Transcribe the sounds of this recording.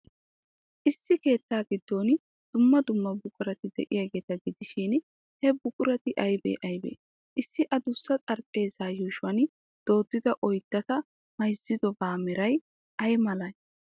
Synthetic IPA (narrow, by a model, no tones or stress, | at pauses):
ʔɪsːɪke̞ːt̪ːaːɡɪd̪ːo̞ːn | d̪̥ʊmːɐd̪ʊmːɐbʊkʼʊɾɐt̪ɪd̪ɛ̰ʔɪjaːɡe̞ːt̪ɐɡɪd̪ɪʃɪn | hɛbʊkʼʊɾɐt̪ɪʔɐjbḛːʔɐjbḛː | ʔɪsːɪʔɐd̪ʊsːɐt͡sʼɐɾpʼːe̞ːzaːjuːʃwɐn | d̪̥o̞ːd̪ːɪd̪ɐʔɔjd̪̥ːɐt̪ɐ | mɐjzɪd̪ɔbaːmɛɾɐj | ɐjmɐlɐj